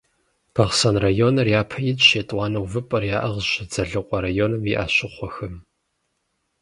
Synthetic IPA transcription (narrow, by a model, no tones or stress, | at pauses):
b̥ɐʁsɐnrajoːnɐrjaːpʰɐjɪdɕeːtʼwɑːnɐwvɨpʼɐrjaːʔɐʁɕɪd͡zɐɮɨqʷʼɐɾajoːnɨmiʔa̰ːɕɪχʷɔxɐm